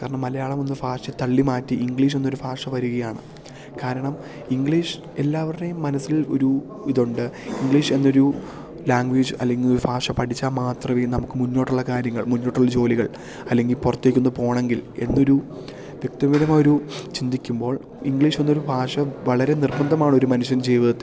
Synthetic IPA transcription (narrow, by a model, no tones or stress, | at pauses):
kaːɾɐɳɐmːɐlɐjaːɭɐmo̞nːɨbʱaːʂɐt̪ɐɭːimaːtːiʔiŋɡɭiːʂ̬enːoɾubʱaːʂɐʋɐɾuɣɐjaːɳɨ̰ | kaːɾɐɳɐm | iŋɡɭiːʂɨ | e̞lːaːʋɐejumːɐnɐsːilo̞̰ɾu | iðuɳɖɨiŋɡɭiːʂe̞nːo̞ɾu | laːŋɡʋeːd͡ʑɨɐ̰lːe̞ŋɡiloɾubʱaːʂɐpɐʈʰit͡ɕːaːmaːt̪rɐʋinɐmukːɨmunːo̞ːʈːuɭːɐkaːɾjɐŋːɐɭmunːo̞ːʈːuɭːɐd͡ʑo̞ːliɣɐɭ | ɐlːe̞ŋɡilpurɐt̪ːeːkʲːunːpo̞ːɳe̞ŋɡile̞̰nːo̞ɾu | ʋjek̚t̪ɐʋiðɐmaːjoɾut͡ɕind̪ikʲːumbo̞ːɭ | iŋɡɭiːʂenːo̞ɾubʱaːʂɐʋɐɭɐɾe̞nirbɐnd̪ʱɐmaːɳo̞ɾumɐnuɕjɐnt͡ɕe̞jːuʋɐðɐt̪ːɨ